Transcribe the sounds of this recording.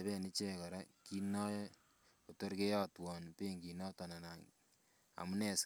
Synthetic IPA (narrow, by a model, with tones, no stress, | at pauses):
βɛ˦ni˦t͡ʃe˦ka˨ɾa˦ki˦nɔ˦j | o˨to˦ɾke˦jɔ˦twɔ˨npe˦ŋki˨nɔ˦tɔ˨na˨na˨ŋ | a̰˨mu˦nɛ˨s